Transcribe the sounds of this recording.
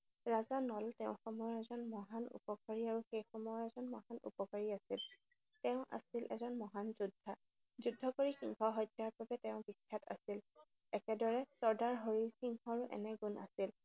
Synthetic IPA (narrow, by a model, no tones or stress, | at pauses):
ɹazanɔltɛʊ̃xɔmɔjɔɛzɔnmɔɦanṵpɔkaɹiaɹuxejxɔmɔjɔɹɛzɔnmɔɦanṵpɔkaɹiasil | tɛʊ̃ʔa̰silʔɛ̰zɔnmɔɦanzudʱːa | zudʱːɔkoɹixiŋkɔɦɔjtaɹbabɛtɛʊ̃bikʰːata̰sil | ɛkɛdɔɹɛsɔɹdaɹɦoɹilxiŋkɔɹuʔɛ̰nɛɡunʔa̰sil